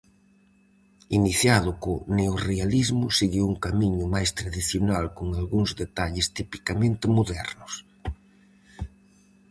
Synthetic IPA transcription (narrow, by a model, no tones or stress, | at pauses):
iniθjaðʊkʊneorealizmʊseɣiwuŋkamiɲʊmajst̪ɾaðiθjonalkoŋalɣuŋzðet̪aʎɪst̪ipi̥kamẽnt̪ɪmoðɛɾnʊs